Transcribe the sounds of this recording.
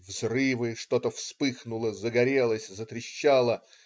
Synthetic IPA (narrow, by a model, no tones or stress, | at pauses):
vzrɨvɨʂt̪o̞t̪əfspɨxnʊlˠəzəɡɐɾʲe̞lˠəsʲzət̪ɾʲɪɕːalˠə